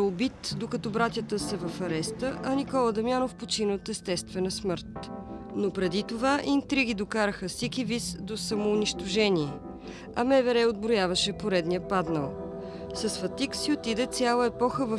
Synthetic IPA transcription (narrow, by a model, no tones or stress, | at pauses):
obit̪d̪okɐt̪ɔbɾat̪ʲjət̪əsɛvɐfɐɾɛst̪əʔɐnikɔlˠəd̪ɐmjanofpot͡ʃinət̪ɛst̪ɛst̪vɛnəsmɤɾt̪nopɾɛd̪it̪ovaʔint̪ɾiɡid̪okaɾəxəsɛkivisd̪osɐmoːniʃt̪oʒɛnʲiɛ | ɐmɛvɛɾɛod̪̚bɾojavəʃɛpoɾɛd̪nʲijəpad̪nəlˠ | sɐsfɐt̪iksiot̪id̪ɛt̪sʲjalˠəɛpɔxəvə